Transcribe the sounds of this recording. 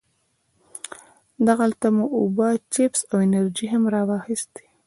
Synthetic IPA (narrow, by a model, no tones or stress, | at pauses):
d̪aɣalt̪amuʔubat͡ʃepsawɪnaɾd͡ʒiɦamɾɑwɑxist̪e̥